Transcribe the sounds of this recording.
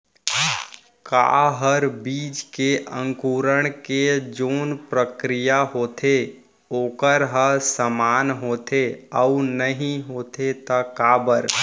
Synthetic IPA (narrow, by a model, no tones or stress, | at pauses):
ka̰ɦəɾbiːd͡ʒkeʔə̰̃ŋkuːɾəɽ̃ked͡ʒoːnpɾəkɾɪjaɦoːt̪ʰe | oːkəɾɦəsəmaːnɦoːt̪ʰeəunəɦĩɦoːt̪et̪əkaːbəɾ